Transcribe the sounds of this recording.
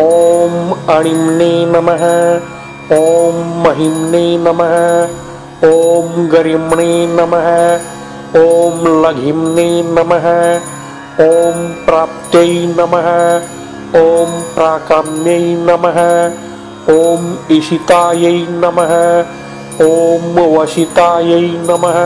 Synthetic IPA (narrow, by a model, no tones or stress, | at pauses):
oːmɐɽ̃imneːnɐmɐɦɐ | oːmːɐɦimneːnɐmɐɦɐ | oːmɡɐɾimɳeːnɐmɐɦɐ | oːmlɐɡʱimneːnɐmɐɦɐ | oːmpɾaːp̚t̪jɐjnɐmɐɦɐ | oːmpɾaːkɐmnjɐjnɐmɐɦɐ | oːmiʃit̪aːjɐjnɐmɐɦɐ | oːmʋɐʃit̪aːjɐinɐmɐɦ